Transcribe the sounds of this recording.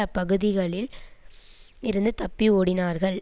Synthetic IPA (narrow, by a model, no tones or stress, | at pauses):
ɐpɐɣɯðɪɣɐɭɪl | ɪɾɯnd̪ɯt̪ɐpːioːɽɪnaːɾɣɐɭ